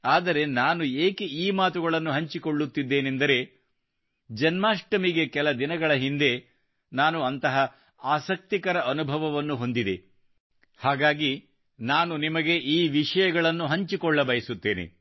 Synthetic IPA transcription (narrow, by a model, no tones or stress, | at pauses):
aːd̪ɐɾe̞naːnueːkeiːmaːt̪̬uɡɐɭɐnːuɦɐɲt͡ʃikoɭːut̪ːid̪ːe̞ːnend̪ɐɾe̞ | d͡ʒɐnmaːʂʈɐmiɡe̞kɛlɐd̪inɐɡɐɭɐɦind̪e̞ | naːnuɐnt̪ɐɦɐ | aːsɐk̚t̪ikɐɾɐʔɐnubʱɐʋɐʋɐnːuɦo̞nd̪id̪ḛ | haːɡaːɡi | naːnunimɐɡe̞ʔiːʋiʂɐjɐɡɐɭɐnːuɦɐɲt͡ʃikɔɭːɐbɐjɐsut̪ːe̞ːnḛ